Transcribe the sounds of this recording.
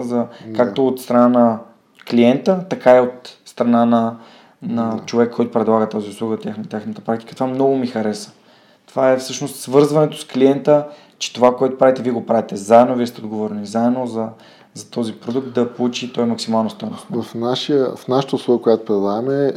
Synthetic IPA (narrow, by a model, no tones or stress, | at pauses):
zɐkak̚t̪oːt̪st̪ɾɐnanɐ | kliɛnt̪ət̪ɐkaiot̪st̪ɾɐnanɐ | nɐt͡ʃovɛkʰːɔjt̪o̥pɾɛd̪lˠaɡət̪aziʊslˠuɡət̪ʲjaxnət̪jaxnət̪ə̥pɾak̚t̪i̥kət̪ovamnɔɡʊmixɐɾɛsə̥ | t̪ovaɛfsɤʃnost̪svɤɾzvɐnɛt̪o̥skliɛnt̪ə | t͡ʃɛ̥t̪ovakoɛt̪o̥pɾavit̪ɛviɛɡopɾavit̪ɛzaɛd̪noviɛst̪ɛod̪ɡovɔɾɛnizaɛd̪nozɐ | zɐt̪ɔzipɾod̪uk̚t̪̚d̪ɐpolˠut͡ʃit̪ɔimɐksimalˠnost̪anoffnaʃiəfnaʃə̥t̪əʊslˠuɡəkojat̪o̥pɾɛd̪ˠamɛ